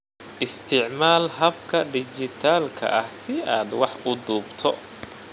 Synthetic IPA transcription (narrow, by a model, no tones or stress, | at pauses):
ʔɪst̪ʰɪʕmaːlɦɐbkʰɐɖɪt͡ʃɪt̪ʰaːlkʰɐ̰ʔɐhsɪaːd̪wɑħʊd̪uːbt̪ʰɔ